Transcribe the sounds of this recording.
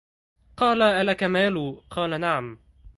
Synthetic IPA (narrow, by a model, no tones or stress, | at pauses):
qɑːlaʔalakamaːluːqʰɑːlanaʕam